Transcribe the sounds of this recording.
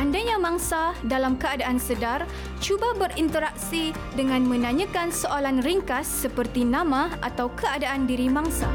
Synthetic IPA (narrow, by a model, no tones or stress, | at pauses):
ʔandaɲãmãŋsadalamkəadaʔansədar | t͡ʃubabərint̪əɾak̚si | dəŋãnmə̃nãɲə̃kansoʔolanriŋkasːəpərt̪inãmãa̰t̪awkəadaʔandiɾimaŋsa